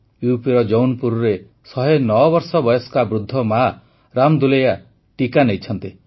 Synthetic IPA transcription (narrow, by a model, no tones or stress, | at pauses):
jupiɾɔd͡ʒownpuɾɔɾe | sɔɦenɔɔbɔɾsɔbɔjɔskabɾud̪ʱːɔma | ɾamd̪uleja | ʈikanejt͡ʃʰɔnt̪i